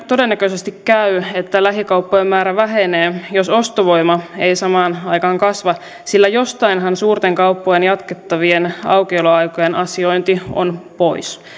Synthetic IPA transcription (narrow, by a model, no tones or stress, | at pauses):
t̪o̞de̞nːækøsest̪ikkæye̞t̪ːælæɦikɑwpːoemmæːɾæʋæɦe̞neːjo̞so̞st̪oʋo̞imɑe̞isɑmɑːnɑjkɑːŋkɑsʋɑ | silːæjo̞st̪ɑinɦɑnsuːrt̪eŋkɑupːojenjɑt̪ket̪ːɑʋienɑ̰wkeiloɑjkojenʔɑsio̞jnt̪io̰npo̞is